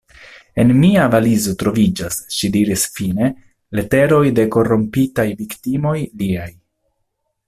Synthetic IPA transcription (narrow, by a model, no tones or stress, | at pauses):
e̞nmiavalizo̞tɾo̞vid͡ʒasʃidiɾisfine̞ | le̞te̞ɾo̞jde̞ko̞ro̞mpitajviktimo̞jliaj